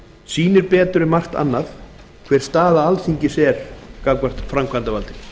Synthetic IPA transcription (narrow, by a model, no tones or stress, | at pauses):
siːnɪɾpɛːt̪ʏɾɪmar̥t̪a̰nːaθ | kʰvɛr̥st̪aːðaalθiɲcɪsɛːɾ̥kakvar̥t̪fɾamkʰant̪avalt̪ɪ